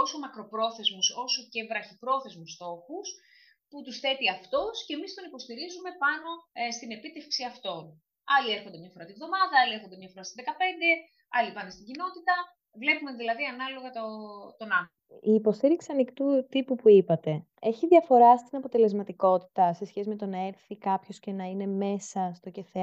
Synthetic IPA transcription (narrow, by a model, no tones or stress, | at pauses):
osomɐkɾo̞pɾo̞θe̞zmuso̞soce̞vɾɐçipɾo̞θe̞zmust̪o̞xus | put̪usθe̞t̪iɐft̪o̞sce̞mist̪o̞nipo̞st̪iɾizume̞pɐno̞st̪ine̞pit̪e̞fksiɐft̪o̞n | ɐlieɾxo̞nd̪emɲɐfo̞ɾɐt̪ivðo̞mɐðɐɐlieɾxond̪mɲɐfo̞ɾɐst̪iðekɐpe̞nd̪e̞ | ɐlipɐnest̪iɲɟino̞t̪it̪ɐ | vle̞pumeðilɐðiɐnɐlo̞ɣɐt̪ot̪o̞nɐ | iːpo̞st̪iɾiksiɐnikt̪ut̪ipupuipɐt̪e̞ | e̞çiðʝɐfo̞ɾɐst̪inɐpot̪e̞le̞zmɐt̪iko̞t̪i̥t̪ɐse̞sçesime̞t̪o̞nɐe̞ɾθikɐpço̞sce̞nɐine̞me̞sɐst̪o̞ce̞θe